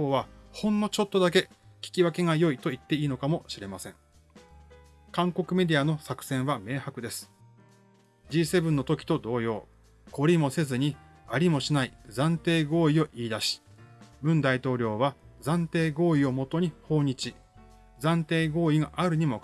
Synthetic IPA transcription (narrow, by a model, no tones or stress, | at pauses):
koːβahõ̞nːo̞t͡ɕo̞t̪ːo̞d̪ak̬e̞ | kʲi̥kʲiβake̞ŋajo̞it̪o̞it̪ːe̞iːno̞kamo̞ɕiɾe̞masẽ̞ŋ | kãŋko̞kɯ̟me̞d̪ʲiano̞sakɯ̟̥sẽɰ̃βame̞ːhakɯ̟d̪e̞sɨ̥ | d͡ʑiːse̞bɯ̟̃nːo̞t̪o̞kʲi̥t̪o̞d̪o̞ːjo̞̰ː | ko̞ɾʲimo̞se̞zɨɲ̟i | aɾʲimo̞ɕinaizãnt̪e̞ːɡo̞ːio̞ʔiːd̪aɕi̥ | bɯ̟̃nd̪ait̪o̞ːɾʲo̞ːβazãnt̪e̞ːɡo̞ːio̞mo̞t̪o̞ɲ̟iho̞ːɲ̟it͡ɕi | zãnt̪e̞ːɡo̞ːiɡaʔaɾɯ̟ɲ̟imo̞